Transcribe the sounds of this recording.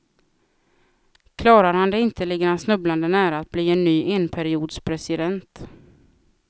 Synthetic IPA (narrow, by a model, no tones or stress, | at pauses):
kʰlɑːɾaɾhand̪ɛɪnt̪ʰəlɪɡɾansnɵbland̪ənæːɾaat̪̚bliːɛnːyːʔeːnpʰæɾɪuːd̪spʰɾɛsɪd̪ɛnt̪